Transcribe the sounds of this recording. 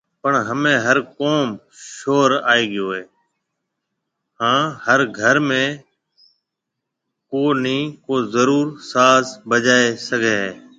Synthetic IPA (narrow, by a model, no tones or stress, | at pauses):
pəɳɦəmẽːɦəɾkoːm | ʃoːɾa̰ːeːɡɪjoːɦeː | hãːhəɾɡʱəɾmẽː | koːnĩːkoːzəɾuːɾsaːsbəd͡ʒaːeːsəɡʱeːɦeː